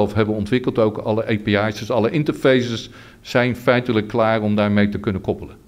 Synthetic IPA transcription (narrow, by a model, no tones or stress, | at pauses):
ɛlˠfɦɛbənɔntʋɪkəlˠtowkɑləʔejpeɑjsəsɑlˠəʔɪntəɹfejsəs | z̥ɛjnfɛjtələkːlaːrɔmdaːɹmejtəkɵnəkɔpələn